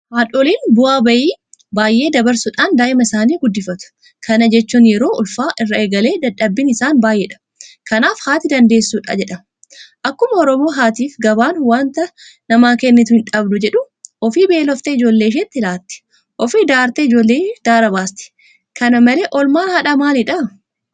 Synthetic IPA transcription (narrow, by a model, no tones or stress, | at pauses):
maːᶑoːliːnbʊaːbɐʔiːbaːjʔe̞ːd̪ɐbɐɾsʊᶑaːnd̪aːʔɪmɐɪsaːniːɡʊd̪ːɪfɐt̪ʊ̥ | kʰɐnɐd͡ʒɛt͡ʃːuːnjɛɾo̞ːʔʊlfaːʔɪrːɐeːɡɐle̞ːd̪ɐᶑːɐbːɪnɪsaːnbaːjʔeːᶑɐ̥ | kɐnaːfhaːt̪ɪd̪ɐnd̪e̞ːsːuːᶑa̰ːd͡ʒɛᶑɐ | ʔɐkːʊmɐɔɾɔmo̞ːɦaːt̪iːfɡɐbaːnwaːnt̪ɐnɐmaːkɛnːɪt̪ʊhɪnᶑɐbd̪ʊd͡ʒɛᶑʊ | ʔɔfiːbeːlɔft̪ɛɪd͡ʒo̞ːlːeːɪʃ̬ɛt̪ːɪlaːt̪ːɪ̥ | ʔɔfiːd̪aːɾt̪ɛɪd͡ʒo̞ːlːeːd̪̥aːɾɐbaːst̪ɪ̥ | kɐnɐmɐleːʔɔlmaːnhɐᶑɐmaːlɪᶑɐ